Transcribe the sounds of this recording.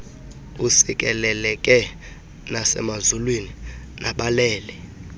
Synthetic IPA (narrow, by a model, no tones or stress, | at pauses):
usik̬ʼɛlɛlɛkʼɛ | nasɛ̰mazulwininʔaɓalɛːlɛ